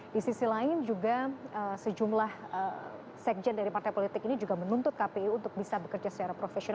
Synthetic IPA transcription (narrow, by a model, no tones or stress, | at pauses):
disisilaɪnd͡ʒuɡaəsəd͡ʒumlahə | sɛk̚d͡ʒɛndaɾipart̪ajpolit̪ɪkinid͡ʒuɡamənunt̪ʊt̪̚kapeiunt̪ʊk̚bisabəkərd͡ʒasə̥t͡ʃaɾapɾofesion